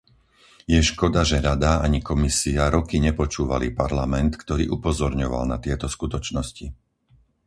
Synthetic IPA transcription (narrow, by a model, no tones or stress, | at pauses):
jɛʃkɔd̪aʒɛɾad̪aaɲikɔmisiaɾɔkiɲɛpɔt͡ʃuːʋalipaɾlamɛnt̪kt̪ɔɾḭːʔupɔzɔɾɲɔʋa̰lnat̪ɪɛt̪ɔskut̪ɔt͡ʃnɔsci